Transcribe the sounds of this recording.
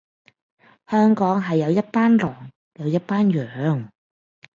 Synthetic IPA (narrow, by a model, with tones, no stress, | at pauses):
hœː˥ŋkɔː˨˥ŋɦɐ˨jːɐ˨˧wjɐ˥t̚paː˥nlɔː˨˩ŋ | jɐ˨˧wjɐ˥t̚paː˥njœː˨ŋ